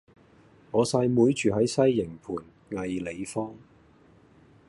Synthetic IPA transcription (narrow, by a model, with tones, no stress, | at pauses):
ŋɔː˨˧saː˧jmuː˨˧jt͡ʃyː˨ɦɐ˨˥jsɐ˥jːɪ˨˩ŋpʰuː˨˩n | ŋɐ˨jle˨˧jfɔː˥ŋ